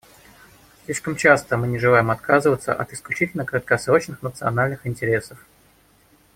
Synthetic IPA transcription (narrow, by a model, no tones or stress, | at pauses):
slʲiʂkəmt͡ɕast̪əmɨnʲɪʐɨlˠajɪmɐt̪kazɨvət̪sə̰ʔɐ̰t̪ɪsklʲʉt͡ɕitʲɪlʲnəkɾət̪̚kɐsɾo̞t͡ɕnɨxnət̪sɨɐnalʲnɨxɪnʲtʲɪɾʲe̞səf